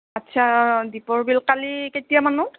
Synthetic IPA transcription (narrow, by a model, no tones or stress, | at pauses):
atːt͡ʃʰadipɔɹbilkaliketijamanu